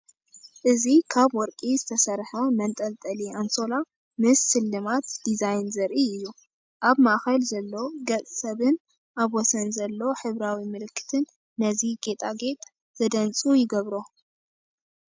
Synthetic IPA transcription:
ʔɨzikʰaβwɔɾkʼizɨt̪ʰɐsɐɾħɐmɐnt̪ʼɐlt̪ʼɐlianso̞la | mɨsːɨlːɨmat̪d̪̥izajnzɐɾʔiɨjːu | ʔaβmaʔxɐlzɐlːo̞ɡɐt͡sʼsɐβɨn | ʔaβwɔsɐnzɐlːo̞ħɨβɾawimɨlɨkʰːɨ̥t̪ʰɨnː | ɐziɡe̞t̪ʼaɡe̞t̪ʼ | z̥ɐd̪ɐnt͡sʼujɪɡɐβɾo

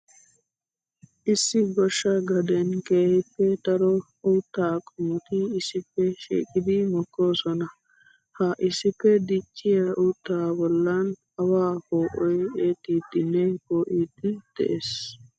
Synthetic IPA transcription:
ʔɪsːɪɡɔʃːɐɡɐd̪ɛnkʼeːhɪpːɛd̪ɐɾɔ | uːt̪ːaːkʼʊmʊt̪ɪɪsːɪpːɛʃḭːkʼɪd̪ɪmɔkːo̞ːsɔnɐ | hɐʔɪsːɪpːɛd̪ɪt͡ʃʼːɪjɐʔuːt̪ːaːbɔlːɐn | ɐwaːhoːʔɔjeːt̪ːiːd̪ɪnːɛkoːʔiːd̪ɪd̪̥ɛ̰ʔes

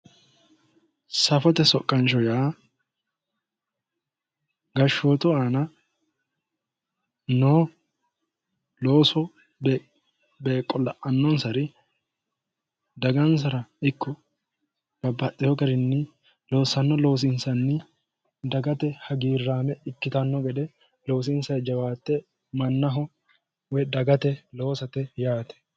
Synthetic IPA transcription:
sɐfɔt̪ɛsɔkʼːɐnt͡ʃɔjaː | ɡɐʃːoːt̪ʊaːnɐ | noː | lo̞ːsɔ | b | beːkʼːɔlɐʔɐnːɔnsɐɾɪ | d̪ɐɡɐns̬ɐɾɐɪkːɔ | b̥ɐbːɐtʼːɪhɔkɐɾɪnːɪ | lo̞ːsːɐnːɔlo̞ːs̬ɪnsɐnːɪ | d̪ɐɡɐt̪ɛhɐɡiːrːaːmɛɪkːɪt̪ɐnːɔɡɛd̪ɛ | lo̞ːs̬ɪnsɐjd͡ʒɐwaːt̪ːɛ | mɐnːɐɦɔ | wɛd̪ɐɡɐt̪ɛlo̞ːsɐt̪ɛjaːt̪ɛ̥

